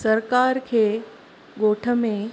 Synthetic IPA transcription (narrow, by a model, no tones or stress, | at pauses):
səɾkaːɾkʰeː | ɡoːʈʰə̆mẽ